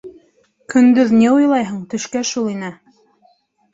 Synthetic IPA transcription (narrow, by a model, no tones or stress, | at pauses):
kɵ̆nd̪ɵðnʲeojlˠɑjɦɤ̆ɴt̪ɵ̆ʃkæʃulˠinɘ